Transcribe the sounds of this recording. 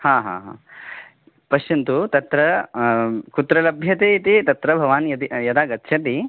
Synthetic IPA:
haːɦa̰ːɦa̰ː | pɐʃɐnt̪ut̪ɐt̪ɾɐ | kut̪ɾɐlɐbʱjɐt̪eːit̪it̪ɐt̪ɾɐbʱɐʋaːnjɐt̪ijɐd̪aːɡɐt̪ːʃʰɐt̪̬i

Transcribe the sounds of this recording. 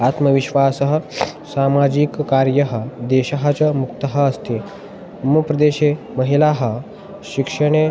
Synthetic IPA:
at̪məʋiɕʋasəɦəsamad͡ʑiːkːaɾjəɦəd̪eɕəɦət͡səmukt̪əɦəːst̪e | mupɾəd̪eɕe | məɦilaɦə | ɕikʂəɽ̃e

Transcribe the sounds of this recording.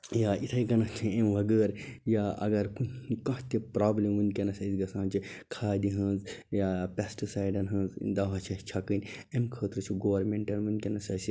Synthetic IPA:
jaːʔit̪ʰɐjɡɐnɐt͡ʃʰiemʋɐɡəːɾjaːɐ̰ɡɐɾkunikɐ̃ɦt̪epɾaːblemʋɨnʲkʲenɐsɐsiɡɐsãːnt͡ʃʰikʰaːd̪iɦɐ̃ːnzjaːpʲesʈisaːjɖɐnɦɐ̃ːnzd̪ɐʋɦɐt͡ʃʰɐt͡ʃʰɐkɨnʲemkʰəːt̪ɾɨt͡ʃʰiɡoːʋɐɾmẽɳʈɐnʋɨnʲkʲenɐsɐsi

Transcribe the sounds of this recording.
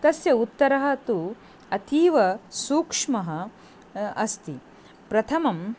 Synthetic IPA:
t̪ɐsjɐut̪ːɐɾɐɦɐt̪u | ɐt̪ʰiːʋɐsuːkʂmɐɦɐ | ɐst̪i | pɾɐt̪ʰɐmɐm

